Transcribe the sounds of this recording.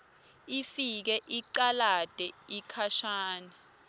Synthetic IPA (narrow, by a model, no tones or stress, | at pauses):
ifik̬ɛʔiǃalad̥ʼʱɛikʰaʃaːni